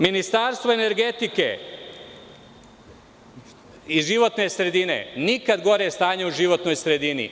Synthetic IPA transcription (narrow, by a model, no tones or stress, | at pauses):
minist̪aːɾst̪vʋoene̞ɾɡe̞t̪ike̞̰ | iʒiʋo̞t̪ne̞sɾe̞d̪inḛnikad̪ɡo̞ɾest̪aːɲeuʒiʋo̞t̪no̞jsɾe̞d̪inḭ